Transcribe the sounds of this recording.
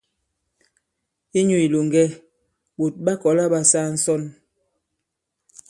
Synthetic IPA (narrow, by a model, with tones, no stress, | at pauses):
i˦ɲu˨i˨lo˨ŋɡɛ˦ | bo˨t̚ɓa˦kɔ˨˦la˦ɓa˦saː˦n̩˦sɔ˦˨n